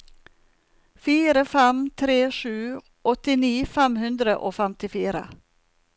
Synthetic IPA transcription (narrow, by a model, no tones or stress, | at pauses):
fiːɾəfɛmt̪ʰɾeːʃʉː | ʔɔt̪ɪniːfɛmhʉnd̪ɾəʔoːfɛmt̪ɪfiːɾə̰